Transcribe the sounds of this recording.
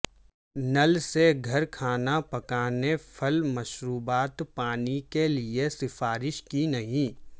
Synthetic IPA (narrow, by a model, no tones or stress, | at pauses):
nɐlseɡʱɐɾkʰaːnapɐkaːnepʰɐlmɐʃɾuːbaːt̪paːnikeliesɪfaːɾɪʃkinɐɦĩ